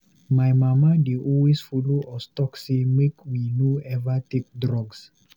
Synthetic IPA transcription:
majmamadeʔɔwesfɔloʔɔstɔksemekminoɛvatek̚dɾɔɡs

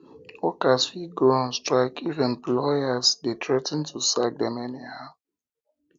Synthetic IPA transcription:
ɔkasfiɡɔãnstɹaɪkivɛ̃nplɔjasdetɹɛtɛ̃ntʰusak̚dɛ̃mɛnihaʊ

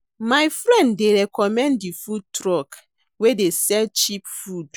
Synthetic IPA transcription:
majfɹɛ̃nddeɹɛkɔmɛ̃ndifud̚tɹɔk | wedesɛlt͡ʃipfud

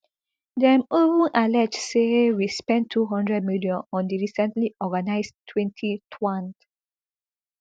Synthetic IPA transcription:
dɛ̃movũnʔalɛd͡ʒsewispɛ̃ntʰːuɦɔ̃ndɹɛd̚miliɔ̃nɔ̃ndiɹisɛ̃ntliʔɔɡanaɪstʰwɛ̃ntʰitʰwãnd

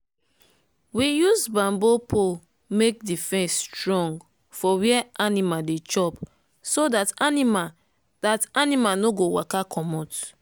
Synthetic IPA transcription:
wijuzbãmbopʰo | mek̚difɛ̃nstɹɔ̃ŋɡ | fɔwiɛanimadet͡ʃɔp | sodatanima | datanimanoɡowakakʰɔmɔt

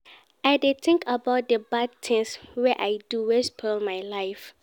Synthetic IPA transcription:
aɪdet̪ɪ̃ŋkʰabaʊt̚dəbad̚t̪ʰɪ̃ŋswɛʔajduwɛspʰɔlmajlaɪf

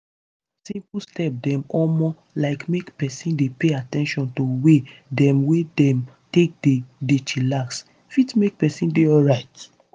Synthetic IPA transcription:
sĩmpstɛp̚dɛ̃mɔmɔ | laɪkmekpɛsĩndepeatɛ̃nʃɔ̃ntowedɛ̃mwedɛ̃m | tek̚dedet͡ʃilaks | fitmek̚pɛsĩndeɔlɹaɪt

